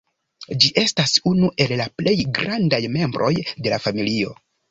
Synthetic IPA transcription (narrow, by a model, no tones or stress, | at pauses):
d͡ʒiʔe̞stasunuʔe̞lːaple̞jɡɾandajme̞mbɾʔo̞̰jde̞lafamilio̞̰